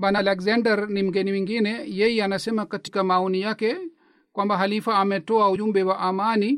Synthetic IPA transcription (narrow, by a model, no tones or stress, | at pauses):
ɓanalɛkzandɛɾnim̩ɡɛnimwiŋɡinɛjɛjɛanasɛmakatikamaɔnijakɛ | kwambaɦalifaːmɛtɔauumbɛwaʔamani